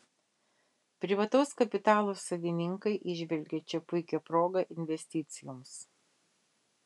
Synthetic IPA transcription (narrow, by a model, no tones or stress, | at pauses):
pʲɾʲɪʋɐt̪ɐʊskɐpʲɪt̪ɑːlˠoːsɐʋ̪ʲɪnʲɪŋkɐɪʔɪʒʲʋʲɛlʲɡʲɛt͡ʃʲɛpʊɪkʲɛpɾoːɡɐʔɪnʲʋʲɛsʲt̪ʲɪt̪sʲɪjoːms